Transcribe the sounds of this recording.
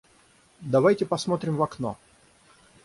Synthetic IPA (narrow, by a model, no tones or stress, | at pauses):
d̪ɐvajtʲɪpɐsmo̞t̪ɾʲɪmvɐkno̰